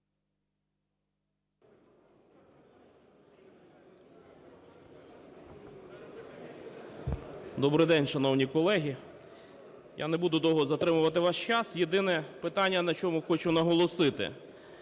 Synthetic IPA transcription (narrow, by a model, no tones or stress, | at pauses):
d̪ɔbɾɪjd̪ɛnʲʃɐnɔwnʲikɔlˠɛɦʲi | ja̰nebud̪ʊd̪ɔɦɔzɐt̪ɾɪmʊʋɐt̪ɪʋɑʃt͡ʃɑsjed̪ɪnɛpɪt̪ɑnʲːɐnɐt͡ʃɔmʊxɔt͡ʃʊnɐɦɔlˠɔsɪt̪ɪ̰